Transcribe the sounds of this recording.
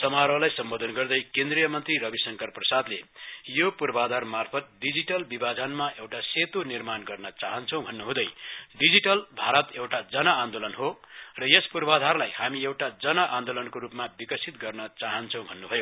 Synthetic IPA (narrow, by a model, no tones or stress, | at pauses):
sʌmaɾʌlajsʌmbod̪ʱʌnɡʌrd̪ʌjkend̪rijʌmʌnt̪riɾʌbisʌŋkʌrprʌsad̪lejopurbʱad̪ʱarmarpʰʌt̪̚ɖid͡ziʈʌlbibʱad͡zʌnmaʔewʈaset̪onirmanɡʌrnʌt͡saɦʌnt͡sʰʌ̃w̃bʱʌnːuɦũd̪ʌjɖid͡ziʈʌlbʱaɾʌt̪ewʈad͡zʌnʌand̪olʌnɦorʌjespurbad̪ʱarlajhamiewʈad͡zʌnʌʔand̪olʌnkoɾupmabikʌsit̪̚ɡʌrnʌt͡saɦʌnt͡sʰʌ̃w̃bʱʌnːubʱʌjo